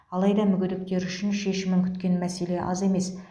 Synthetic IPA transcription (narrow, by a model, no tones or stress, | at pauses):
ɑlˠɑjd̪ɑmʏɡʲɪd̪ɪkt̪e̞ɾʏʃɪnʃe̞ʃɪmɪŋkʲʰʏ̥t̪kʲe̞nmæse̞le̞ʔɑ̰ze̞me̞s